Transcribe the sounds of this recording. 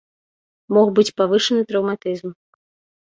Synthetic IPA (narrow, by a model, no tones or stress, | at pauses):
mɔxbɨt͡sʲpavɨʂɐnɨt̪ɾɐwmat̪ɨzm